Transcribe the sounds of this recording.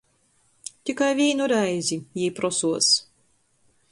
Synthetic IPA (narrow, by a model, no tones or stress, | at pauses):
t̪ʲikajvʲiːnuɾajzʲijijpɾɔsuɔs